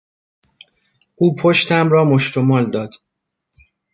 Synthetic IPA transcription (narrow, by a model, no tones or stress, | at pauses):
uːpʰoʃt̪ʰæmɾɒːmoʃt̪omɒːld̪ɒːd̪̥